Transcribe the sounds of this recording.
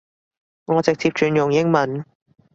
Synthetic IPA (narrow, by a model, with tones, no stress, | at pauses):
ŋɔː˨˧t͡sɪ˨k̚t͡sʰi˧˥p̚t͡ʃyː˨˧njʊ˨˩ŋjɪ˥ŋmɐ˨˥n